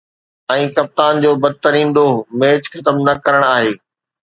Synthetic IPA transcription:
ɛ̃ːkɐp̚t̪aːnd͡ʑoːbɐd̪̚t̪əɾĩːnd̪omeːt͡ɕxɐt̪əmnɐkɐɾəɽ̃aːɦeː

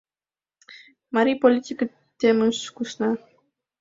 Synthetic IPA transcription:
maɾʲipolʲit̪ʲikə | t̪ʲːemɨʃkuʃnɑ

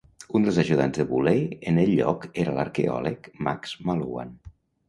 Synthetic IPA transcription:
und̪əlˠzəʒuðanzðəβuleənəʎːɔkeɾələɾkeɔ̰ləkmakz̥malua̰n

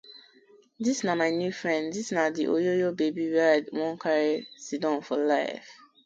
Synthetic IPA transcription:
disnamaɪnjufɹɛ̃nddisnadiʔojojobebiwɛdwɔ̃nkʰaɹisidɔ̃nfɔlaɪf

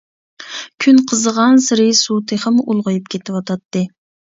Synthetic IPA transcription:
kʲʰynqʰəzəʁɑnsɨɾɨsut̪ʰɨχəmʔulˠʁʊjupkʲʰet̪ʰɪwɑt̪ʰɑt̪ːɨ

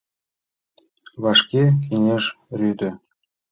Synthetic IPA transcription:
βɑʃkʲekʰʲinʲeʃrʲyd̪ʲɘ̆

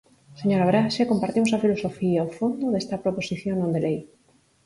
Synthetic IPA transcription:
seɲoɾaβɾaʃekompaɾt̪imosafilosofiaofond̪oðest̪ɐpɾoposiθjoŋnõnd̪elej

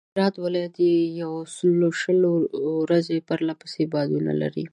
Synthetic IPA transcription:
ɾɑt̪walɑjat̪ejawsəloʃəloɾazepəɾlapə̥sebɑd̪una̰la̰ɾḭ

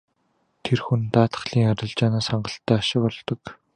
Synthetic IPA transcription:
t̪ʰerxunt̪aːt̪ə̥̆χɮiːŋaɾʲɪ̆ɮt͡ɕaːnaːsaɴɢə̆ɬt̪ːæːaʃɪ̆pɔɮt̪ɞ̆k

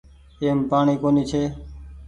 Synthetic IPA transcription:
eːmpaːɳ̃iːkoːniːt͡ʃʰeː

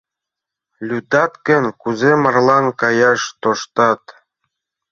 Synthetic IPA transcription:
lʲyd̪ɑt̪kə̆nkuzemɑrlˠɑnkɑjɑʃt̪oʃt̪ɑt̪

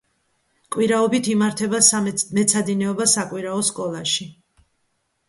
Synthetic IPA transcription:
kʼwiɾaɔbit̪ʰimaɾt̪ʰɛbasmɛt̪sʰad̪inɛɔbasakʼwiɾaɔskʼɔlˠaʃi

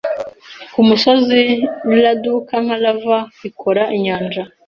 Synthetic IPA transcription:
kumusoziwuladukaŋ̥halavaikʰoɾaʔiɲaːnd͡ʒa

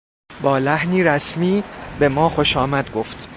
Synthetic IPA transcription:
bɒːlæhniːɾæsmiːbe̞mɒːxoʃɒːmæd̪̚ɡoft̪

